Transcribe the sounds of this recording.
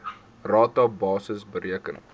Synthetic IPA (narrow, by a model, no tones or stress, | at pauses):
rɑːtɐbɑːsəsbəɾiəkən